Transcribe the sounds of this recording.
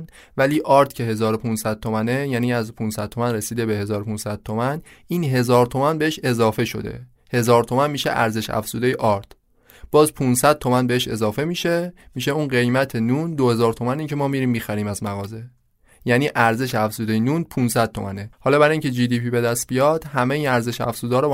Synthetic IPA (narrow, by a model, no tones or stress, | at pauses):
væliːʔɒːɾt̪ʰcʰe̞ɦe̞zɒːɾopʰunsæd̪̥̚t̪ʰo̞mænejæːniːæzpʰunsæd̪̥̚t̪ʰo̞mænre̞siːd̪e̞be̞he̞zɒːɾopʰunsæd̪̥̚t̪ʰomæniːnɦe̞zɒːɾt̪ʰo̞mænbe̞eʃe̞zɒːfe̞ʃo̞̰d̪ḛ | he̞zɒːɾt̪ʰo̞mænmiːʃḛʔæ̰ɾze̞ʃæ̰fz̥uːd̪e̞jeʔɒɾt̪ʰ | b̥ɒːzpʰunsæd̪̥̚t̪ʰo̞mænbe̞heʃe̞zɒːfe̞miːʃe̞miːʃeuːnɢe̞jmæt̪ʰe̞nund̪ohe̞zɒːɾt̪ʰo̞mæniːŋcʰe̞mɒːmiɾiːmːiːxæɾiːmæzmæɣɒːze̞ | jæːniːʔæɾze̞ʃæfz̥uːd̪e̞jenunpʰunsæd̪̥̚t̪ʰo̞̰mænehɒːlɒːbæɾiːŋcʰe̞d͡ʒiːd̪iːpibe̞d̪æst̪̚bijɒːd̪̥hæme̞iːnæɾze̞ʃæ̰fz̥uːd̪ɒɾɔ